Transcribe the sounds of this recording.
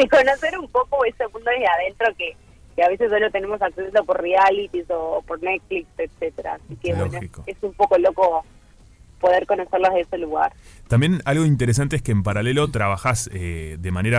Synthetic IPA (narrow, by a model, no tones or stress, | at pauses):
ekonoseɾumpokoesemũnd̪oeðeað̞e̞nt̪ɾo̞ke | keaβe̞sesːolot̪e̞ne̞mo̞saksent̪opo̞ɾrialit̪iso̞poɾnet̪̚flikset̪set̪eɾa̰ːsikewloenoxikoesumpo̞ko̞lo̞ko̞ | po̞ð̞eɾko̞no̞seɾloɦðeeseluɣa̰ɾt̪ambjenalɣo̞int̪̬e̞ɾes̬ant̪eeskeːmpaɾalelo̞t̪ɾaβaxaseðemaneɾa